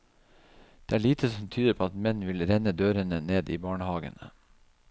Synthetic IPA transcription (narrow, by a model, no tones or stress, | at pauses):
d̪̥eːæːɭiːt̪ʰəsɔmt̪ʰyːd̪əɾpʰoːɑt̪mɛnʋɪlɾɛnəd̪øːɾənəneːd̪iːbɑːɳəhɑːɡə̰nə